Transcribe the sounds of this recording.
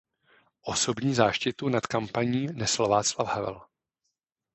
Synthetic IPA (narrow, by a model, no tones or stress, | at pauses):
ʔo̞sobɲiːzaːʃcɪt̪unat̪kampaɲiːnɛslvaːt͡slafhavɛ̰l